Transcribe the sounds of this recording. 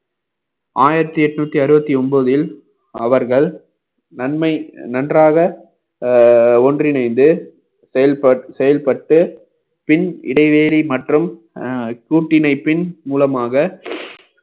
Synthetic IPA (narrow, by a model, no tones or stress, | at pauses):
aːjɪɾɐt̪ːiɛʈːɯnuːt̪ːiɐɾɯbɐt̪ːiɔnboðɪl | ɐʋɐɾɣɐɭ | nɐnmɐɪnɐndraːɣɐ | ɔndrɪnɐɪnd̪ɯ | ɛɐɐsɛjɐlpɐʈːɯ | pɪnɪ̰ɽɐɪʋeːɾimɐʈrɯm | kuːʈːɪnɐɪpːɪnmuːlɐmaːɣɐ